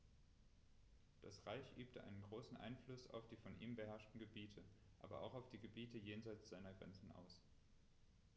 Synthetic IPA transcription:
d̥asʁaɪçʔyːp̚tʰəʔa̰ɪnənɡʁoːsn̩ʔa̰ɪnflʊsa̰ʊfd̥iːfɔnʔiːmbəɦɛɐʃtn̩ɡəbiːtʰə | ʔa̰ːbɐʔa̰ʊxaʊfd̥iːɡəbiːtəjeːnzaɪt͡sz̥aɪnɐɡʁɛ̰nt͡sn̩ʔa̰ʊs

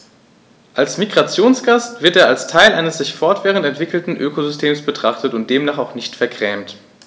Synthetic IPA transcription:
ʔalsmiɡʁat͡sjoːnsɡ̥astv̥ɪɐteːɐalstʰaɪlʔaɪnəsz̥ɪçfɔɐtv̥ɛːʁ̞əntɛntv̥ɪkl̩tn̩ʔøːkozʏstʰeːmsb̥ətʁ̥aχtətʊnt̚d̥eːmnaːχaʊχnɪçtfɛɐɡʁ̥ɛːmt

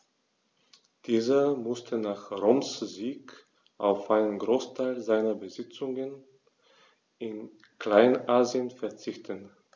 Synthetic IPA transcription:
d̥iːzɐmʊstʰənaːχʁomsziːk | ʔaʊfʔaɪnənɡʁoːstʰaɪlzaɪnɐbəzɪt͡sʊŋən | ɪn | kl̥aɪnʔaːziənfɛɐt͡sɪçtʰən

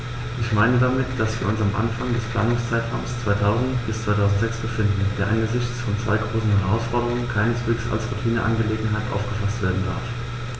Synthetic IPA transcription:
ʔɪçmaɪnədamɪtd̥asv̥iːɐʊnsamʔa̰nfaŋdɛspʰl̥a̰ːnʊŋst͡saɪtʁaʊmst͡sv̥aɪtʰaʊzn̩tb̥ɪst͡sv̥aɪtʰaʊzn̩tz̥ɛksb̥əfɪndn̩d̥eːɐʔanɡəzɪçt͡sfɔnt͡sv̥a̰ɪɡʁoːsn̩hɛʁaʊsfɔɐdəʁ̞ʊŋənkʰaɪnəsv̥eːksa̰lsʁutʰiːnəʔa̰nɡəleːɡŋ̩ɦaɪtʔa̰ʊfɡ̥əfastv̥eːɐdn̩da̰ɐf

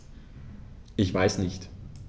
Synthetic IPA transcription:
ʔɪçv̥aɪsnɪçt

